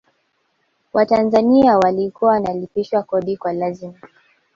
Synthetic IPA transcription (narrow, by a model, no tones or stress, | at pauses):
wʔatanzaniawalikuanalipiʃwakɔɗikwalazima